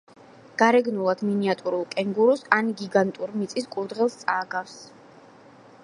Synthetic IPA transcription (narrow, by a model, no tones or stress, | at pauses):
ɡ̥aɾɛɡnulˠad̪̥miniat̪ʼuɾulˠkʼɛŋɡuɾɔsaniɡiɡant̪ʼuɾmit̪sʼiskʼuɾd̪ʁɛlˠst̪sʼaːɡafs